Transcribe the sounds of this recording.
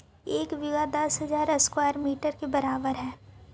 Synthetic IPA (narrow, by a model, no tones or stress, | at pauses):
eːkʋɪʋad̪ɐsɦɐzaːɾɐskwaːɾmiːʈəɾkebɐɾaːbəɾɦɛː